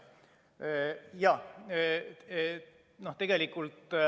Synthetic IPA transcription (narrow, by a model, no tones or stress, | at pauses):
jɑ | noht̪e̞ɡ̥e̞likːˑult̪ˑ